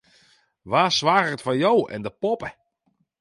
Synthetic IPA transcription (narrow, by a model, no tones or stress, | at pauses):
ʋaːsʋaːɣəətfanjowɛ̰ndəpɔpə